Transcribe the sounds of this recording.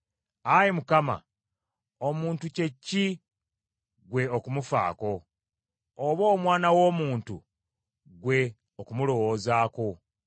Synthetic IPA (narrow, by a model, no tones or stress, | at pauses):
ajimukama̰ | omuːntuce̞cːi | ɡwe̞okumufa̰ːko̞ː | βo̞ːmwaːnawo̞ːmuːntṵ | ɡwe̞ | okumulo̞wo̞ːzaːko̞